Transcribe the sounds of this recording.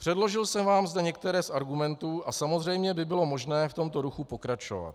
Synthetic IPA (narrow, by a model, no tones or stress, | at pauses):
pr̥ɛdlo̞ʒɪlsɛmvaːmzd̪ɛɲɛk̚t̪ɛɾɛːsʔaɾɡumɛnt̪uːʔasamozr̝ɛjmɲɛbɪbɪlo̞mo̞ʒnɛːft̪o̞mt̪o̞ɾuxupo̞kɾat͡ʃo̞̰va̰t̪